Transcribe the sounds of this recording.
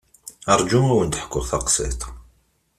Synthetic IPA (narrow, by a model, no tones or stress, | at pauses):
ɑɾˤd͡ʒumæwənt̪əħkːʊʁθɑqsˤḭt̪ˤ